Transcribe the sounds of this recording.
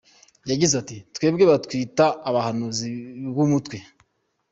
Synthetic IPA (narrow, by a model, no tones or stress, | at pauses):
jaɟizatitwe̞ːbɡe̞βatkwiːtaːβahanuzibɡumutwe̞